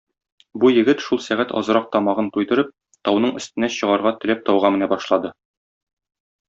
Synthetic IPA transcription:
bujɘ̆ɡɘt̪ʃulˠsæʁæt̪ɒ̰zɤ̆ɾɑq̚t̪ɒmɑʁɤnt̪ujd̪ɤ̆ɾɤp̚ | t̪ɒwnɤɴɵ̆st̪ɘ̆næɕɤ̆ʁɑɾʁɑt̪ɘ̆læp̚t̪ɒwʁɑmɘ̆næbɒʃlˠɑd̪ɤ

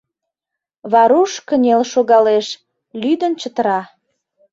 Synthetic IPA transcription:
βɑɾuʃkənʲelʃoɣɑleʃ | lyd̪ənt͡ɕət̪əɾɑ

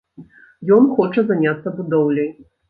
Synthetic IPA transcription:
jɔnxɔt͡ʂɐzanʲat̪sɐbud̪ɔwlʲɐj

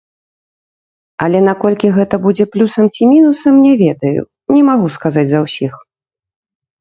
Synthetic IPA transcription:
ɐlʲɛnakɔlʲkʲiɣɛt̪ɐbud͡zʲɛplʲusɐmt͡sʲimʲinusɐmnʲɛvʲɛd̪ɐjṵ | nʲɛmaɣuskazad͡zʲzɐwsʲix

